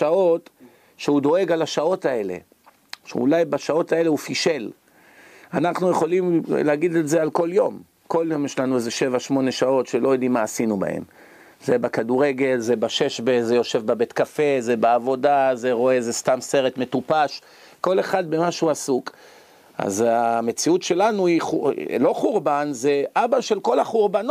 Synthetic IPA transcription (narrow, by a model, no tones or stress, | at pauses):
ʃao̞t̪ | ʃeud̪o̞e̞ɡalaʃao̞t̪ae̞le̞̰ | ʃḛṵlajbaʃao̞t̪ae̞le̞ufiʃe̞l | anaχnuje̞χo̞limleaɡid̪eze̞alko̞ljo̞m | ko̞ljo̞mjeʃlanuezeʃe̞vaʃmo̞ne̞ʃao̞tʃelo̞jod̪imːaːsinuba̰ḛm | ze̞bakaduʁe̞ɡe̞lzebaʃe̞ʃbezejo̞ʃe̞vbabe̞t̪kafe̞zebeavo̞daze̞ʁo̞ezest̪amse̞ʁet̪me̞t̪upaʃ | ko̞le̞χad̪̚be̞maʃuasuk | a̰zame̞t͡siut̪ʃe̞lanuiulo̞χuʁbanzeʔabaʃe̞lko̞laχuʁban